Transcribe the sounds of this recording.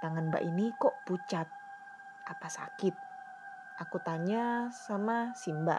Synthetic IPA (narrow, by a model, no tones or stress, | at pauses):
t̪aŋanba̰ʔinikɔʔput͡ʃat̪̚ | apasa̰kɪt̪̚ | ʔakut̪aɲasamasimba̰